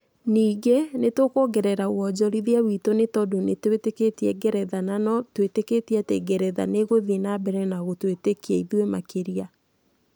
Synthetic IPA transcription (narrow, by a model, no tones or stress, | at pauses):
niːɡenetokoɡɛɾɛɾawɔd͡ʑɔɾiðiawitonetɔdonetweteketiɛɡɛɾɛðananɔtweteketiateɡɛɾɛða̰neɣoðenabɛɾɛnaɣotwetekiɛiðwemakeɾia